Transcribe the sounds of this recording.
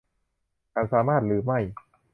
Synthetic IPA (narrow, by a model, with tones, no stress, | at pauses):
ka˧˩nsaː˨˩˦maː˥˩t̪̚ɾɯː˨˩˦ma˥˩j